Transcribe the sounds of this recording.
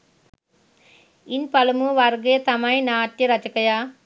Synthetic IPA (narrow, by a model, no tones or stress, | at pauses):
inpɐlɐmuʋɐɾɡet̪ɐmajnaːʈjɐɾɐt͡ʃɐkɐjaː